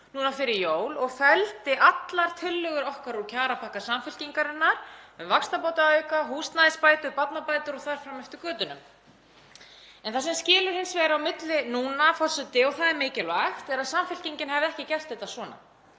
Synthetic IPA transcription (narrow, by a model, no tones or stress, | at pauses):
nuːnafɪɾɪɾjoːwlɔɣfɛlt̪ɪʔat̪laɾ̥t̪ʰɪlːʏɣʏɾɔhkaɾucʰaːɾapʰahkasamfʏl̥ciŋkaɾɪnːaɾ̥mɛðvakst̪apoːwt̪aœːɥkaɦuːst̪naðɪspaːjt̪ʏɾpat̪napaːjt̪ʏɾɔɣθaɾ̥fɾamːɛft̪ɪkœːt̪ʏnʏ̰m | ɛnθasɛmscɪːlʏɾhɪnsvɛɣɾɪawmɪt̪lɪnuːnafɔrsʏt̪ɪɔɣθaðɪɾmɪːcɪlɔajft̪ɛɾaðsamfʏl̥ciɲcɪnɦɛvɪðɛhcɪcɛl̥t̪ɪt̪asvɔːna̰